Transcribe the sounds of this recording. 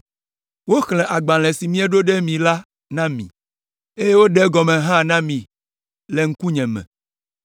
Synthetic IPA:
wo˦xlɛ̃˨ʔa˨ɡ͡bã˨lɛ̃˨si˨mĩ˦ɛ˦ɖo˦ɖe˦mĩ˨la˦ | nã˦mḭ̃˨ | e˦je˦wo˦ɖɛ˦ɡɔ˨mẽ˨ɦã˦nã˦mĩ˨ | le˨ŋ̩˦ku˦ɲɛ̃˨mɛ̰̃˨

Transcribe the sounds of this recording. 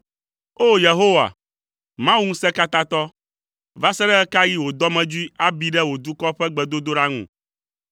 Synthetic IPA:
o˦je˨ɦo˦wa̰˨ | mã˦wu˦ŋũ˦sɛ˦ka˦t̪ã˦t̪ɔ˦ | va˦sɛ˦ɖɛ˦ɛ˦ka˦ji˦wo˨d̪ɔ˦mɛ̃˨d͡ʒu˦i˦a˦bi˦ɖɛ˦wo˨d̪u˦kɔ˦ɸɛ˦ɡ͡bɛ˨d̪o˦d̪o˦ɖa˦ŋṵ̃˨

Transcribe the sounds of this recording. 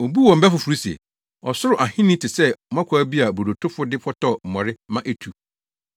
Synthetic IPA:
o˨bu˦wɔ̃˨m̩˨bɛ˦fʊ˨fu˨ɾu˦si˨ḛ˨ | ɔ˨sʊ˦ɾʊ˨ʔa˨hɪ̃˦nĩ˦tʰɪ˨sɛ˦˨mã˦kʰʷaː˨˦bi˦a˨bo˨ɾo˨tʰʊ˦fʊ˦dɪ˦pʰɔ˦tʰɔ˦˨m̩˨mɔ˨ɾɪ˦mã˦ʔe˦tʰu˨

